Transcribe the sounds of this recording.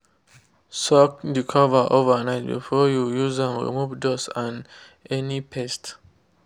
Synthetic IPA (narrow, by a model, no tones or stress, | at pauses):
sɔk̚dikʰɔvə˞ʔovə˞naɪt̚bḭfɔjujuzãnɹḭmuvdosãn | ɛnipʰɛst